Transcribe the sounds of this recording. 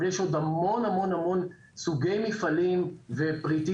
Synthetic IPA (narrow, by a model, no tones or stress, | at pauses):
jeʃo̞d̪amo̞namo̞namo̞n | suɡejmifalimvepʁit̪i